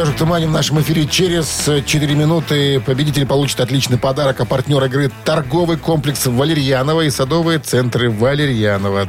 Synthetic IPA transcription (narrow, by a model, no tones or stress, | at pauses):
ɐʐɨk̚t̪əmanʲɪvnaʂəmɨfʲiɾʲɪt͡ɕeɾʲɪz̥t͡ɕɪt̪ɨɾʲɪmʲɪnut̪ɨpəbʲɪdʲitʲɪlʲpɐlˠut͡ɕɪ̥t̪ɐt̪lʲit͡ɕnɨjpɐd̪aɾəkɐpɐrtʲnʲo̞ɾɨɡɾɨt̪ɐrɡo̞vɨjko̞mplʲɪksvəlʲɪɾʲjanəvəisɐd̪o̞vɨjət̪sɛnt̪ɾɨvəlʲɪɾʲjanəvə